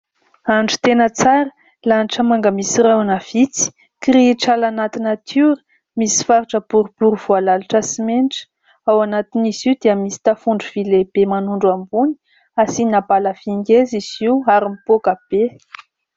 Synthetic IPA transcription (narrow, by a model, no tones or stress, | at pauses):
aɳɖ͡ʐu̥t̪enət͡saɾə | laniʈ͡ʂəmaŋɡəmisirawanav̥it͡si̥ | kɾiʈ͡ʂalanat̪inət̪ʰuɾə | misi̥faɾiʈ͡ʂəb̥uɾib̥uɾv̥ualalaʈ͡ʂəsimenʈ͡ʂə̥ | awanat̪iniziud̪iəmisi̥t̪afuɳɖ͡ʐuv̥ileb̥emanuɳɖ͡ʐambuni̥ | asinabaləv̥iŋɡeziz̥iwaɾimipokab̥e